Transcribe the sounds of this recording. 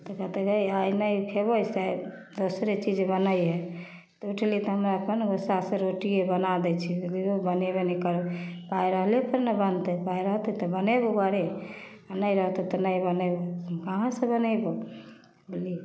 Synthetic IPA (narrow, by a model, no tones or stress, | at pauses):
t̪ɔkət̪ekəjajnəjpʰebosɛ | d̪osɾet͡ʃid͡ʒbənəjɦe | t̪ɔuʈʰlit̪ɔɦəmɾaəpənɡosasẽɾoʈiebənad̪ɛt͡ʃʰiliobənebenɛkəɾpaiɾəɦlepəɾnəbənt̪əpaiɾəɦt̪ɛt̪ɔbəneboɡaɾe | anəjɾəɦt̪ɛt̪ɔnəjbənəbokaɦãsə̃bənəbo | uli